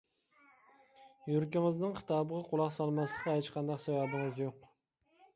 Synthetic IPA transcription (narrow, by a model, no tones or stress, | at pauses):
jyɾkʲɪŋɨznɪŋqʰə̥t̪ʰɑːbəʁɑqʰʊlˠɑqsɑlˠmɑslˠəqːɑɦet͡ʃqʰɑnd̪ɑqsævæbɪŋɨzjoq